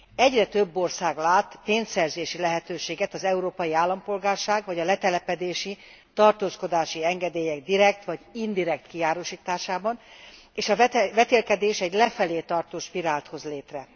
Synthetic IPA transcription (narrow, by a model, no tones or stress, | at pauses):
ɛɟrɛt̪øbːo̞rsaːɡlaːt̪peːnsɛrzeːʃilɛɦɛt̪øːʃeːɡɛt̪ɒzɛuɾoːpɒjiaːlːɒmpo̞lɡaːrʃaːɡʋɒɟɒlɛt̪ɛlɛpɛd̪eːʃi | t̪ɒrt̪oːsko̞d̪aːʃiɛŋɡɛd̪eːjɛɡ̚d̪iɾɛkt̪ʋɒɟind̪iɾɛkt̪kiaːɾoʃiːt̪aːʃaːbɒn | eːʃɒvɛt̪eːlkɛd̪eːʃɛɟlɛfɛleːt̪ɒrt̪oːʃpiɾaːlt̪ho̞zleːt̪rɛ